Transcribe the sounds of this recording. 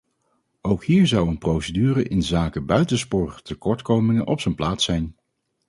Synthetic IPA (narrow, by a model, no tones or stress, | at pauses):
owkɦiːɹzɑwənprowsədyːrəʔɪnzaːkəbœɥtənspʊːɹəχtəkɔɹtkowmɪŋənʔɔpsənplaːtsɛjn